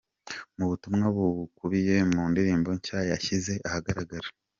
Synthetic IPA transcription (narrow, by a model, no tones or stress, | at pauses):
muβutumŋaβukuɾije̞muːndiɾiːmbo̞ɲcaːjeaçize̞ʔahaɡaɾaɡaɾḁ